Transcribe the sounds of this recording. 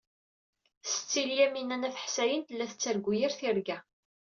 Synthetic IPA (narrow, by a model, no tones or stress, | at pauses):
sə̥t͡sːiljæminænæθə̥ħsæjənt̪əlːæθət͡sːæɾɡʷːujæɾθiɾɡæ